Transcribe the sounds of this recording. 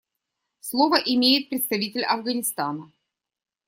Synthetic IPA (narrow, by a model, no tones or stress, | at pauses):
slˠovəʔɪmʲejɪt̪̚pɾʲɪt̪st̪ɐvʲitʲɪlʲɐvɡənʲɪst̪anə